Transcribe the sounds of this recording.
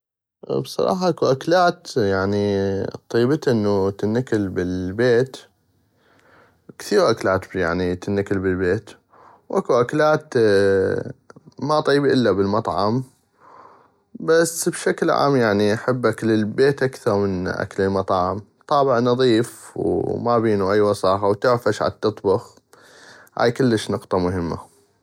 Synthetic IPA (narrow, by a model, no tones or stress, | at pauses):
bsˤɑ̰ɾˤɑ̰ːħɑʔakuʔaklaːt̪jaʕnit̪ˤːijːbt̪ʔɪnːut̪ɪnːakɪlbɪlbeːt̪ | kθiːɾʔaklaːt̪bja̰ʕnit̪ɪnːakɪlbɪlbeːt̪ | wʔakuʔaklaːt̪ | mat̪ˤiːbiʔɪlːabɪlmɑt̪ˤʕɑm | basːbʃaklʕa̰ːmjaʕniʔaħabːakləlbeːt̪ʔakθɑɾˤmənʔa̰kləlmɑt̪ˤːʕɑm | t̪ˤɑːbɪʕnɑðˤiːfwmabiːnuʔajːwɑsɑːxawt̪ɪʕfaʃʕa̰t̪ːɨt̪ˤbʊx | ha̰ːjkʊlːəʃnʊqt̪ˤɑmʊɦɪmːa̰